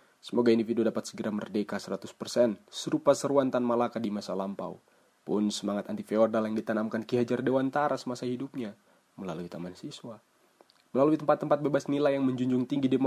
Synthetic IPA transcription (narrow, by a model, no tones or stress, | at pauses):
səmoɡaindifiduudapat̪səɡəɾamərdekasəɾat̪ʊspərsɛnsəɾupasəɾuant̪anmalakadimasalampa̰w | pʊnsəmaŋat̪ant̪ifeɔrdaljaŋdit̪anamkankiɦad͡ʒardewant̪aɾasəmasahidup̚ɲa | məlaluit̪amansiswa | məlaluit̪əmpat̪ːəmpat̪̚bebasnilajaŋməɲd͡ʒuɲd͡ʒʊŋt̪iŋɡidem